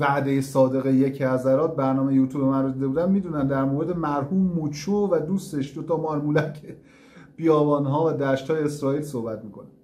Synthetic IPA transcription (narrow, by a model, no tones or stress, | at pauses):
væʔd̪e̞jesɒːd̪e̞ɣejecʰæzæɾɒːt̪̚bæɾnɒːmejejuːt̪ʰuːbemænɾod̪iːd̪ebuːd̪ænmiːd̪uːnænd̪æɾmoɾed̪emæɾhuːmːut͡ʃʰuvæd̪uːst̪e̞ʃd̪ot̪ʰɒːmɒːɾmuːlæcʰe | b̥ijɒːbɒːnɦɒːvæd̪æːʃt̪hɒːjeːsɾɒːiːlsohbæt̪̚miːkʰo̞næ̥